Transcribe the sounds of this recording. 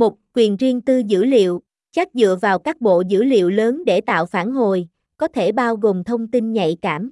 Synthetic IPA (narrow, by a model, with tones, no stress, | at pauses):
mo˨˩t̚kwi˨˩ənzi˧əŋt̪ɨ˧zɨ̰˧˥lḭ˧˨əw | t͡ɕa˦˥k̚zɨ̰˧˨əvaː˨˩wkaː˦˥k̚ɓo̰˧˨zɨ̰˧˥lḭ˧˨əwləː˨˦nɗe˧˩t̪a̰ː˧˨wfaː˧˩nɦo˨˩j | kɔ˨˦t̪ʰe˧˩ɓaː˧wɣo˨˩mt̪ʰə˧wŋ͡mt̪i˧nɲa̰˧˨jkaː˧˩m